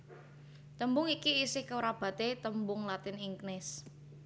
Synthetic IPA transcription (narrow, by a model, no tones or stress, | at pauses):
t̪əmbʊŋikiːsɪhkəwɾab̥ä̤t̪et̪əmbʊŋlat̪ɪniŋknɪs